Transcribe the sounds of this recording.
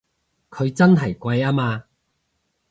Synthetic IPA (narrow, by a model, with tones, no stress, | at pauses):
kʰɵ˨˧ɥt͡sɐ˥nɦɐ˨˩jkwa˧jaː˦maː˧